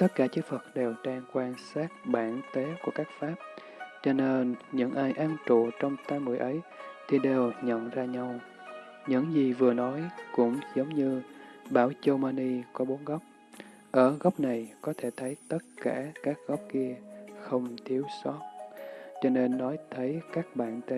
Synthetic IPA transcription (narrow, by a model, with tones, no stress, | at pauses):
t̪ə˦˥t̚kaː˧˩t͡ɕɨ˨˦˥k̚fə˨˩t̚ɗe˨˩wɗaː˧ŋkwaː˧nsaː˦˥t̚ɓaː˧˩nt̪e˨˦ku˧˩əkaː˦˥k̚faː˦˥p̚ | t͡ɕɔ˧ne˧nɲɨ̰˧˥ŋʔaː˧jʔaː˧nt͡ɕṵ˧˨t͡ɕɔ˧wŋ͡mt̪aː˧jmṵ˨˩jʔə˨˦jt̪ʰi˨˩ɗe˨˩wɲə̰˧˨nzaː˧ɲa˧w | ɲɨ̰˧˥ŋzi˨˩vɨ˨˩ənɔ˨˦jkʊ̰˧˥ŋ͡mzə˨˦wŋ͡mɲɨ˧ɓaː˧˩wt͡ɕə˧wmaː˧ni˧kɔ˨˦ɓo˨˦nɣɔ˦˥wk͡p̚ | ʔəː˧˩ɣɔ˦˥wp̚na˨˩jkɔ˨˦t̪ʰe˧˩t̪ʰə˨˦jt̪ə˦˥t̚kaː˧˩kaː˦˥k̚ɣɔ˦˥wp̚ki˧əxə˧wŋ͡mt̪ʰi˨˦əwsɔ˦˥t̚t͡ɕɔ˧ne˧nːɔ˨˦jt̪ʰə˨˦jkaː˦˥k̚ɓa̰ː˧˨nt̪e˨˦